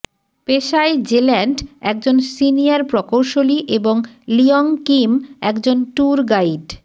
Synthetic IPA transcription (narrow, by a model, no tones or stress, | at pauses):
peʃajd͡ʑelɛɳɖɛk̚d͡ʑonsiniaɾpɾɔkowʃoliʔeboŋlioŋkimɛkd͡ʑonʈuɾɡaiɖ